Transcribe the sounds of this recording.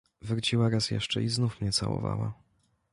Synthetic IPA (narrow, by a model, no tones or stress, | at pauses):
vɾt͡ɕiwaɾasjɛ̰ʂt͡ʂɛiznufmɲɛt̪sawɔ̰vawa